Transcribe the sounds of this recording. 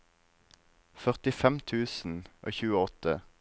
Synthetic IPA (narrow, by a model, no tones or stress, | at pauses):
fœʁt̪ɪfɛmt̪ʰʉːsn̩ʔo̰ːçʉːəɔt̪ə